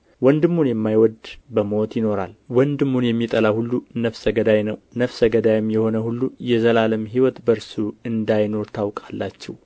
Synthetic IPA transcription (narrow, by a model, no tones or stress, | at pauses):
wɔnd̪ɨmːunjɛmːajwɔd̪bəmot̪jɪno̞ɾa̰lwɔnd̪ɨmːunjɛmːit̪ʼəlahulːunəfsəɡəd̪ajnəwnəfsəɡəd̪ajɪmːjɛho̞nəhulːujɛzəlaləmɦiwɔt̪bəɾsuɨnd̪ajno̞ɾt̪ʰawkʼalːat͡ʃːɛw